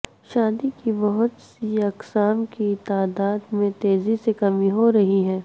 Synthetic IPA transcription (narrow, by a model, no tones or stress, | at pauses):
ʃaːd̪ikibɐɦʊt̪siɐksaːmkit̪aːd̪aːd̪mẽt̪eːzisekɐmiɦoɾɐɦiɦɛː